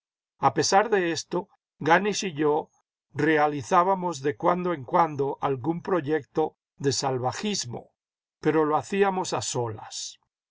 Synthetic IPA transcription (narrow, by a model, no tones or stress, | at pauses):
ape̞saɾðe̞est̪o̞ | ɡanisiʎo | re̞aliθaβamo̞zðe̞kwand̪oeŋkwand̪o̞ʔalɣumpɾo̞ʝe̞k̚t̪o̞ | ðe̞salβaxizmo̞̰ | pe̞ɾo̞loaθiamo̞saso̞la̰s